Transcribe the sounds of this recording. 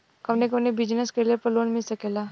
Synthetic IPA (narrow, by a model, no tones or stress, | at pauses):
kɐʋnekənebɪd͡ʒnəskeliepəɾloːnmɪlsɐkeːlaː